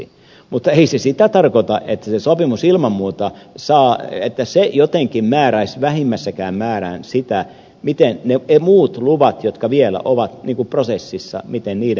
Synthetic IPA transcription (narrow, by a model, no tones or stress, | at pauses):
mut̪ːɑeisesit̪æt̪ɑrkot̪ɑʔet̪ːæsesopimusilmɑmːuːt̪ɑsɑːḛt̪ːæsejot̪eŋkimmæːɾæisʋæhimːæsːækæːmmæːræ̰ːnsit̪æ | mit̪enneemuːt̪luʋɑt̪jot̪kɑʋielæ̰ʔoʋɑt̪niːŋkuprosesːisːɑ̰mit̪enniːɾ